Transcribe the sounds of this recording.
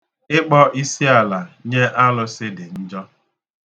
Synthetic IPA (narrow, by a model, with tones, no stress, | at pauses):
ɪ˦k͡pɔ˦ʔi˦si˦a˨la˨ɲe˦ʔa˦lʊ˦sɪ˦dɪ˨n̩˦d͡ʒɔ˦